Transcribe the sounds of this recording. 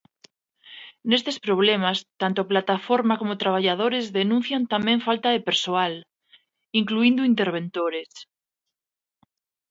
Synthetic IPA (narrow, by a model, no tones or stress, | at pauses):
nest̪espɾoβ̞lemast̪ant̪oaplat̪afoɾmakomot̪ɾaβ̞aʎað̞oɾezðenũn̟θjant̪amẽɱfalt̪aðepeɾsoal | iŋkluind̪uint̪eɾβ̞ẽnt̪oɾes